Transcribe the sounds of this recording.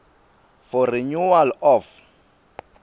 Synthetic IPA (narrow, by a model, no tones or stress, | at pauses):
fɔɾiɲuwalɔf